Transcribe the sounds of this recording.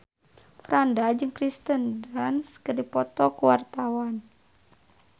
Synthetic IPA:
fɾandad͡ʒɨŋkɾist̪əndanskərdipɔt̪ɔkuwart̪awan

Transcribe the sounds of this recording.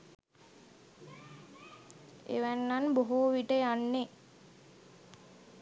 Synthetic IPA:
ḛʋænːanboɦoʋiʈəjanːe

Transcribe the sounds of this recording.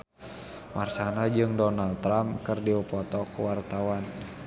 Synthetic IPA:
marsanad͡ʒɨŋdɔnalt̪ːɾamkərdiɔpɔt̪ɔkuwart̪awan

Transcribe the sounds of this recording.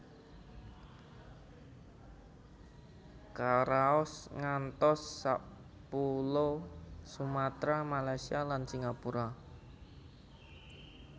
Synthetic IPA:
kaɾaɔsŋant̪ɔsːa | pulosumat̪ɾamalajsialansiŋapuɾa

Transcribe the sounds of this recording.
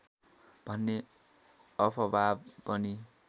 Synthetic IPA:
b̥ʱʌnːe | ʌpʰʌbʱabpʌni

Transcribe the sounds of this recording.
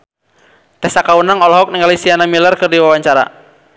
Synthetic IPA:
t̪ɛsakaunaŋɔlɔɦɔk̚niŋalisianamilərkɨrdiwawaɲt͡ʃaɾa̰

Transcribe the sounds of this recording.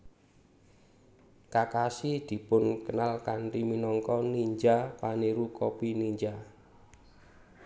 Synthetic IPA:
kakasid̪̥i̤pʊnkənalkanriminɔŋkɔniɲd͡ʒapaneɾukɔpiniɲd͡ʒa

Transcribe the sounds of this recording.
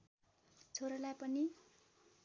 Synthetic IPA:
t͡sʰoɾʌlajpʌni

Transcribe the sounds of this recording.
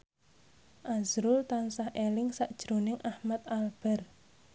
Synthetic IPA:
ʔazɾʊlt̪ansahʔelɪŋsaʔd̥ʒ̥ɾonɪŋʔahmat̪̚alb̥ɛ̤r

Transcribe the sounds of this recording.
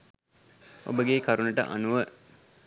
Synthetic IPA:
o̰bəɡekaɾunəʈə̰ʔa̰nuʋə

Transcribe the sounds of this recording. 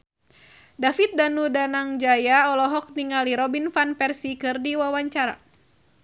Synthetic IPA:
dafit̪̚danudanaŋd͡ʒajaɔlɔɦɔk̚niŋaliɾɔbinfanpɛrsikɨrdiwawaɲt͡ʃaɾa̰

